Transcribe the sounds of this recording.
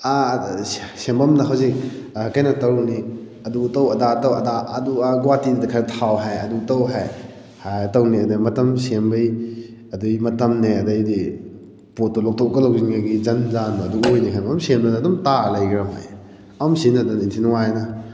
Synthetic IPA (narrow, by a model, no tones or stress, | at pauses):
a | sembɐmnɐɦawzik̚ | kajnɐtɐwni | ɐdutɐwɐdatɐwɐdaɐduaɡwatindɐkʰaɾtʰawɦajɐdutɐwɦaj | hajtɐwniɐdɐjmɐtɐmsembɐj | ɐdujmɐtɐmneɐdɐjdi | potːolɔk̚tʰɔkɐlɐwziŋɡaɡizɐnzanuɐduojnikʰajamsemanːdumtalajɡɾɐmɦa̰j | ɐmsinɐdunintʰinwajnɐ